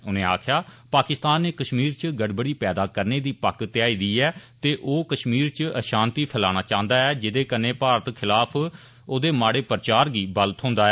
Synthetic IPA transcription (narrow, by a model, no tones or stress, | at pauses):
ʊnẽːa̰ːkʰjaːpaːkɪst̪aːnːeːkəʃmiːɾt͡ʃɡəɽbəɽiːpɛːd̪aːkəɾneːd̪iːpəkt̪ɪjaːiːd̪iːɛːt̪eːʔoːkəʃmiːɾt͡ʃəʃãːnt̪iːpʰəlaːñaːt͡ʃãːnd̪aːɛːd͡ʒɪd̪eːkəɾneːpaːɾət̪kʰɪlaːpʰ | oːd̪eːmaːɽeːpəɾt͡ʃaːɾɡiːbələt̪ɦõːnd̪aːɛː